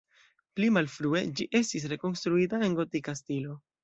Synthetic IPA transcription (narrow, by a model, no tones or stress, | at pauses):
plimalfɾue̞d͡ʒiʔe̞stis̬ɾe̞ko̞nstɾuitae̞nɡo̞tikastilo̞